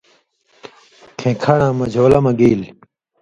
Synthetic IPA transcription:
kʰẽːkʰaɽãːmɐd͡ʑʱoːlɐmɐ̃ɡiːl

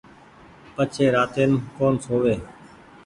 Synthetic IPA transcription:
pət͡ʃʰeːɾaːt̪eːnkoːnsoːʋeː

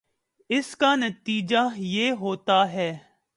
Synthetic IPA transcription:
ɪskanɐt̪iːd͡ʒajeːɦoːt̪aɦɛː

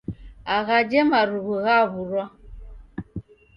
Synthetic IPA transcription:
aɣad͡ʒɛmaɾuɣuɣaβuɾwa

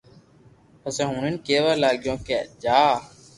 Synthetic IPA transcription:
pəsẽːɦũːɳɪnkeːʋaːlaːɠjõːkeːd͡ʒaː

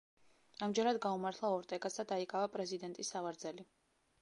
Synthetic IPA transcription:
amd͡ʒɛɾad̪ɡaumaɾt̪ʰlˠaɔɾt̪ʼɛɡʼasad̪aikʼavapʼɾɛzid̪ɛnt̪ʼisːavaɾd̪zɛli

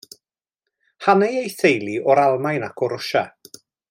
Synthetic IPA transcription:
hanejejθejlˠiɔɾalˠmajnakʰɔɾʊʃa

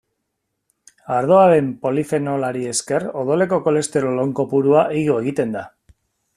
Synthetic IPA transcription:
aɾðo̞aɾe̞mpo̞life̞no̞laɾie̞ske̞ro̞ðo̞le̞ko̞ko̞le̞st̪e̞ɾolo̞ŋko̞puɾuaʔiɣo̞e̞ɣit̪e̞nd̪a

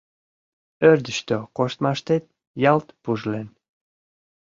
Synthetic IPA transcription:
øɾd̪əʃt̪økoʃt̪mɑʃt̪et̪̚ | jɑlt̪puʒlen

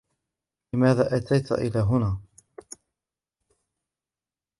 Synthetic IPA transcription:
lɪmaːðaːʔat̪ajt̪ʔɪ̰laːɦʊnaː

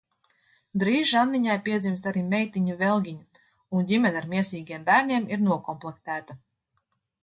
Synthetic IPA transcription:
d̪ɾiːʒanːiɲajpiɛd̪zimst̪aɾiːmɛjt̪iɲavɛlˠɡʲiɲu | undʲimʲɛnʲaɾmiɛsiːɡʲijɛmbæːɾnʲiɛmiɾnuɔkɔmplˠɛkt̪æːt̪a

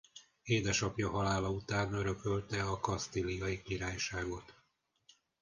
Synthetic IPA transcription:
eːd̪ɛʃɒpjɒɦɒlaːlɒut̪aːnøɾø̞kølt̪ɛɒkɒst̪ilijɒjikiɾaːjʃaːɡo̞t̪

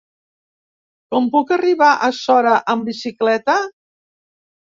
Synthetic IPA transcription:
kɔmpukəriβaʔəsɔɾəʔəmbisiklɛt̪ə

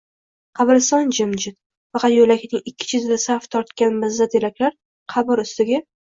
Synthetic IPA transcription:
qʰɑbɪɾsɒnd͡ʒɪmd͡ʒɪt̪ | fɑqʰɑt̪jolakʲnɪŋɪkʲʰːɪ̥t͡ʃʰɪzd̪asaft̪ʰɒɾt̪kʲanmɪzat̪ʰelakʲlaɾ | qʰɑbɪɾʊst̪ɪɡʲa

